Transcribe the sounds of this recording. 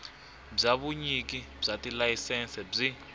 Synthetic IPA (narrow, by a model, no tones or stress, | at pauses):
b͡ʐaβuɲiki | b͡ʐatilajisɛnsɛb͡ʐi